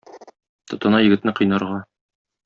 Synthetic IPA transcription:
t̪ŏt̪ɤ̆nɑjɘ̆ɡɘ̆t̪nɘqɤ̆jnɑɾʁɑ

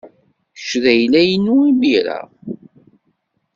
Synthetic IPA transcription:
ə̥ʃðæjlæjənːuimiɾæ̰

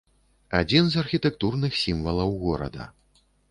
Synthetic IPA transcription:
ad͡zʲinzɐrxʲit̪ɛk̚t̪urnɨxsʲimvɐlˠɐwɣɔɾɐ̰d̪ɐ̰

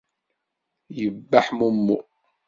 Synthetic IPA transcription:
jəbːaħmumːu

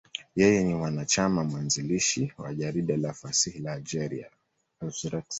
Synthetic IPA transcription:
jɛjɛnimwanat͡ʃamamwanziliʃiwa̰ʄaɾiɗalafasihilaːld͡ʒɛɾia̰ | asɾɛks

